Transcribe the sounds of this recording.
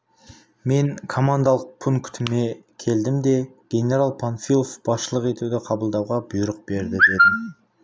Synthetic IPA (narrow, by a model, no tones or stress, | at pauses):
me̞ŋkʰo̞mand̪alˠəq̚pʰuŋkt̪ʰɪmekʲʰe̞ld̪ɪmd̪e̞ɡ̥ʲe̞nʲe̞ɾalˠpʰanfilˠofb̥ɑsʃəlˠəqe̞t̪ud̪ɪqʰɑbəlˠd̪ɑwʁɑbʊjɾəq̚be̞ɾd̪ɪd̪e̞d̪ɪm